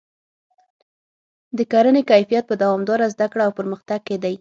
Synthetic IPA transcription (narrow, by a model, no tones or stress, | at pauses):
d̪əkaɾənekajfijat̪̚pəd̪awɑmd̪ɑɾazd̪akɽaawpəɾməxt̪aɡ̚ked̪aj